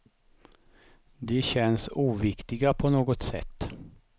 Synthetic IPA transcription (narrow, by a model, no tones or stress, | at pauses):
d̪ɛɕɛnsuːvɪkt̪ɪɡapʰɔnoːɡɔt̪sɛ̰t̪ː